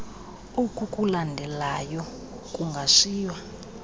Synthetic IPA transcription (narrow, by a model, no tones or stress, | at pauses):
ukʼukʼulandʱɛlajɔ | kʼuŋɡʱaʂiːwa